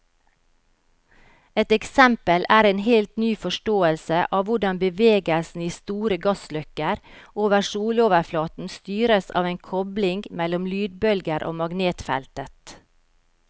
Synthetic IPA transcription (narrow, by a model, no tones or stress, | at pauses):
ɛt̪ɛksɛmpəlʔæːɾeːnhɛlt̪nyːfɔʃʈoːəlsəʔɑːʋʊɖɑnbəʋeːɡəlsn̩iːst̪uːɾəɡɑslœkəɾʔoːʋəʃuːloːʋəɾflɑːt̪n̩st̪yːɾəsɑ̰ːʋeːnkʰɔblɪŋɡmɛlɔmlyːd̪̚bœlɡəɾʔo̰ːmɑɡneːt̪fɛ̰lt̪ət̪